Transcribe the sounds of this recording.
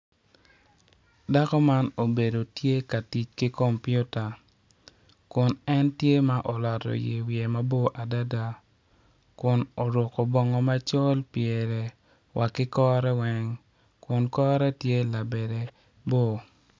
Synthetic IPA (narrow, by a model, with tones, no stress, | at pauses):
da˦kɔ˦ma˦no˨be˨do˨tje˦ka˨ti˨t͡ʃki˦kɔ˦mpju˦ta˨ | kʊ˨nɛ˦ntje˦ma˦ʔɔ˨lɔ˨tɔ̰˨jḛ˨wje˨ma˦bo˦ʔa˨da˦da˨ | kʊ˨no˨ɾʊ˨kɔ˨bɔ˦ŋɔ˦ma˦t͡ʃɔ˦lpjɛ˨ɾɛ˨ | wʔa˨kɪ˦kɔ˦ɾɛ˦wɛ˦ŋ | kʊ˨nkɔ˦ɾɛ˦tje˦la˨be˨de˨ | bo˦˨